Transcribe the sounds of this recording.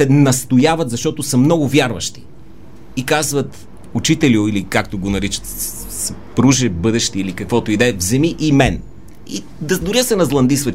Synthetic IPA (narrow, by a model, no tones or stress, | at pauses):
ɛnɐst̪ojavɐt̪zɐʃt̪ɔt̪osəmnɔɡʊvʲjaɾvɐ̰ʃt̪i̥ː | kazvɐt̪ | ʊt͡ʃit̪ɛlʲioilikak̚t̪oɡonɐɾit͡ʃə̥t̪ | spɾuʒɛbɤd̪ɛʃt̪iilikɐkvɔt̪oid̪ɛvzɛmiʔimɛn | i | d̪ɐd̪ʊɾiəsɛnɐzlˠɐnd̪isvə